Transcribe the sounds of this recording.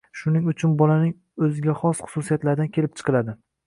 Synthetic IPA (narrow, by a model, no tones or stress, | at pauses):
ʃʊnɪŋʊt͡ʃʰʊnbɒlanɪŋ | ɵzɪɡʲaχɒsχʊ̥susijat̪laɾd̪ankʲʰe̞lɪp̚t͡ʃʰɨ̥qɨlad̪ɪ